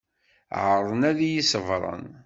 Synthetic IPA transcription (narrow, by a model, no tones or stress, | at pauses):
ʕəɾˤənæðjisəvɾˤə̰n